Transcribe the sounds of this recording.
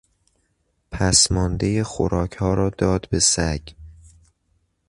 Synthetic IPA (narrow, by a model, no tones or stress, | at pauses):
pʰæsmɒːnd̪ejexo̰ɾɒːcʰhɒːɾɒːd̪ɒːd̪besæɟ